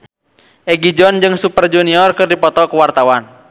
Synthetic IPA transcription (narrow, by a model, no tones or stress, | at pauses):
ʔɛɡid͡ʒɔnd͡ʒɨŋsupərd͡ʒuniɔrkɨrdipɔt̪ɔkuwart̪awan